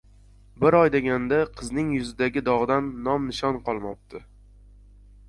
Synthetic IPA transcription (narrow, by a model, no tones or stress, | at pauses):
bɪɾɒjd̪eɡʲand̪aqʰɨznɪŋjʊzɪd̪aɡʲɪd̪ɒʁd̪anːɒmnɪʃɒnqʰɒlˠmɒp̚t̪ʰɪ